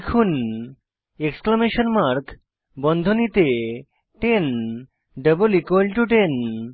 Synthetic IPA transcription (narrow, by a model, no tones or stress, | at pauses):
kʰun | eksklameʃonmaɾk | bɔnd̪ʱonit̪e | ʈen | ɖəbolikwelʈuʈen